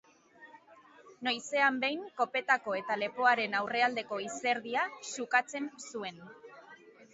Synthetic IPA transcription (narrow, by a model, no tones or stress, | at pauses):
nojse̞ambe̞jŋko̞pe̞t̪ako̞e̞t̪ale̞poaɾe̞nawre̞ald̪e̞ko̞ise̞ɾðiasukat͡se̞nsue̞n